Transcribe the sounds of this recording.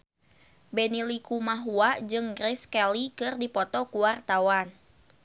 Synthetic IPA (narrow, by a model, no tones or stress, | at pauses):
bɛnilikumaɦuad͡ʒɨŋɡɾɛskɛlikɨrdipɔt̪ɔkuwart̪awan